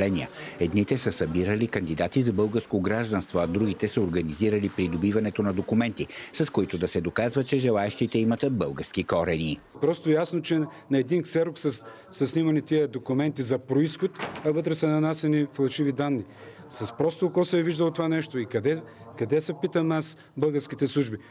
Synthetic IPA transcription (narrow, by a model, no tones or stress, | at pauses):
lɛniə̰ɛd̪nit̪ɛsəsɐbiɾəlikɐnd̪id̪at̪izɐbɤlˠɡəɾskoɡɾaʒd̪ɐnst̪voɐd̪ɾuɡit̪ɛsəoɾɡɐniziɾəlipɾid̪obivɐnɛt̪onɐd̪okumɛnt̪isɐskoit̪od̪ɐsɛd̪okazvət̪̚t͡ʃɛʒɛlˠaɛʃt̪it̪ɛimɐt̪bɤlˠɡəɾskikɔɾɛni | pɾɔst̪ojasnot͡ʃɛnɐɛd̪inksɛɾoksɐs | sɐsnimɐnit̪iəd̪okʊmɛnt̪izɐpɾoisxot̪ɐvɤt̪ɾɛsɛnɐnasɛniflˠɐʃivid̪anːi | sɐspɾɔst̪okɔsɛɛviʒd̪ɐlˠt̪ovanɛʃt̪oikɐd̪ɛ | kɐd̪ɛsɐpit̪əmas | bɤlˠɡəɾsk̟it̪ɛslˠuʒbi